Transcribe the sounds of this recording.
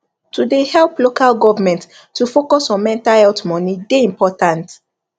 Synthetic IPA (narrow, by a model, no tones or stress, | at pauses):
tudehɛlplokalɡɔvamɛ̃nt | tːufokɔsɔ̃nmɛ̃ntahɛltmɔnideĩmpɔtãnt